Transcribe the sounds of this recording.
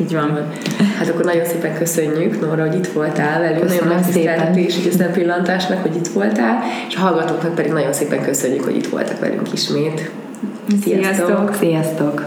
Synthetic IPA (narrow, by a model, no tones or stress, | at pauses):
iːɟʋɒn | hat̪ɒkːornɒɟo̞nseːpɛŋkøsøɲːyknorɒɦo̞ɟit̪ʋo̞lt̪aːlvɛlyŋknɒonːɛsɛɾɛt̪eːʃuɟesɛmpilːɒnt̪aːʃnɒkho̞ɟit̪ʋo̞lt̪aːleːʃɒɦɒlɡɒt̪oːknɒk̚pɛd̪iɡnɒɟo̞nseːpɛŋkøsø̞ɲːykho̰ḭt̪ʋo̞̰lt̪ɒ̰kʋɛ̰lʔy̰ŋkiʃmeːt̪ | sijɒsst̪ooksijɒst̪ok